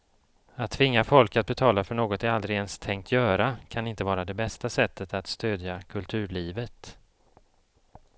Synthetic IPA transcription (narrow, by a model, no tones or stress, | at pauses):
at̪ʰːvɪŋːafɔlkat̪̚bɛt̪ʰɑːlafœɳoːɡɔt̪ɛald̪ɾɪɡɛnst̪ʰɛŋkt̪ʰjœːɾakʰanɪnt̪əvɑːɾad̪ɛbɛst̪asɛt̪ːət̪at̪st̪øːd̪jakʰɵlt̪ʰʉ̟ːɭiːvət̪